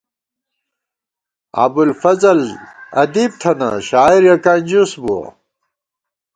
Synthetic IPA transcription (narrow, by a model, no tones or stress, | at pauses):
a̰bulfɐzɐlɐ̰d̪ib̚t̪ʰɐnɐ̰ɕaːiɾjɐkanʲd͡ʑusbuɐ̰